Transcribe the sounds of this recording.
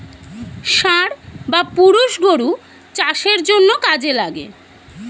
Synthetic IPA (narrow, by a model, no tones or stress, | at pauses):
ʃaɾbapuɾuʃɡoɾu | t͡ɕaʃeɾd͡ʑonːokad͡ʑelaɡḛ